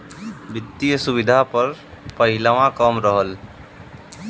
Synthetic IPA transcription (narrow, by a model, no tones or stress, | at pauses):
bɪt̪ːijəsʊbɪd̪ʱapəɾ | pəɦɪlaʋãkəmɾəɦəl